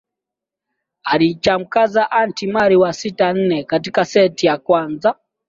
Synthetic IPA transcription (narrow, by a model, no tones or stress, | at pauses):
alit͡ʃam̩kazaʔantimaɾiwasitan̩nɛkatikasɛtijakwanza